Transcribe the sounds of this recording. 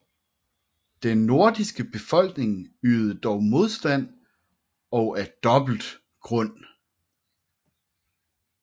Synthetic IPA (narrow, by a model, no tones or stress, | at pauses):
d̥enːo̝ɐ̰d̥isɡ̥əb̥e̝fɒ̽l̰ɡ̥ne̝ŋyːð̩ˠəd̥ɒʊmo̝ð̞ˠsd̥æn̰ | ɒ̽ʊʔæɐd̥ɒ̽b̥l̩d̥ | ɡ̥ʁɔ̽n̰